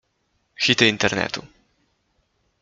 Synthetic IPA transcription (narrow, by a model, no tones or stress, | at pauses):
xit̪ɛint̪ɛɾnɛ̰t̪u